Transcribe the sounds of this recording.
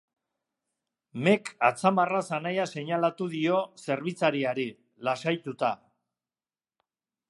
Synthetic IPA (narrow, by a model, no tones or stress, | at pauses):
me̞kat͡samarasanajase̞ɲalat̪uðio̞se̞ɾβit͡saɾiaɾi | lasajt̪ut̪a